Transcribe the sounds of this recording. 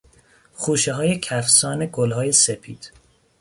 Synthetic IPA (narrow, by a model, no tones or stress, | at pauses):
χuːʃeɦɒːjecʰæfsɒːne̞ɡolɦɒːje̞sepʰiːd̪̥